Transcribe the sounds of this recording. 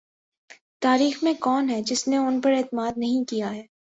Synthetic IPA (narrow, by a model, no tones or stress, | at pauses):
t̪aːɾiːxmẽkɔːnɦɛd͡ʒɪsneʊnpɐɾeːt̪ɪmaːd̪̚nɐɦĩkijaɦɛː